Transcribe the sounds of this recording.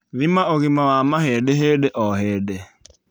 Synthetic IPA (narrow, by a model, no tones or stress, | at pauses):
ðimaoɣimawamaɦeɗeɦeɗeʔɔɦeːde